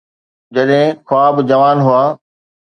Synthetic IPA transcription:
d͡ʑɐɗɦɪ̃kʰʊaːbd͡ʑɐʋaːnɦʊaː

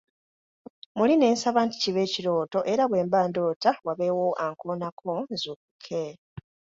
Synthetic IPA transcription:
muline̞ːnsaβaːnti̥ciβe̞ːciɾo̞ːto̞ʔe̞ɾaβwe̞ːmbaːndo̞ːtawaβe̞woʔaŋkonakʰonzuːk̚u̥kʰe

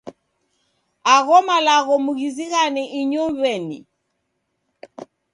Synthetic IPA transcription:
aɣɔmalaɣɔmuɣiziɣanɛʔiɲɔmβɛnḭ

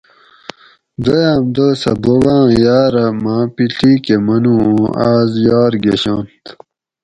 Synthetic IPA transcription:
d̪ɐjaːmd̪əːsɐ̰boɡãːjaːɾɐmãːpiɬiːkemɐnũːõaːzjɑːɾɡeɕãːnt̪

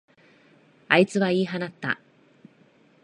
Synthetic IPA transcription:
ait͡sɨβaiːɦanat̪ːa̰

